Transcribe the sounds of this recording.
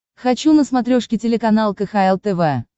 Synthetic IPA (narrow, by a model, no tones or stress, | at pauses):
xɐt͡ɕunəsmɐt̪ɾʲoʂkʲɪtʲɪlʲɪkɐnalˠkəxaɛlˠt̪ɛvɛ